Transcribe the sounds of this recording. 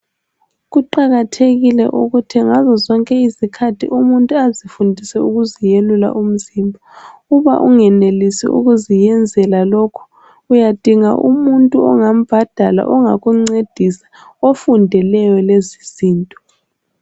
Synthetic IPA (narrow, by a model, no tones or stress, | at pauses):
ɣuǃaɣatʰeɣilɛ̰ʔuɣutʰiŋazɔzɔŋkʼɛizikʰatʰḭʔumuntʼuazifundʱisɛuɣuzijelula̰ʔum̩zimbʱauβa̰ʔuŋɛnelisḭʔṵɣuzijɛnd͡zʱɛlalɔkʰɔ̥ | ujad̥ʱiŋa̰ʔṵmuntʼuɔŋam̩b̥ʱad̥ʱala̰ʔɔŋaɣuŋ͡ǀed̥ʱisḁofundʱɛlɛjɔleziz̥iːntʼɔ̥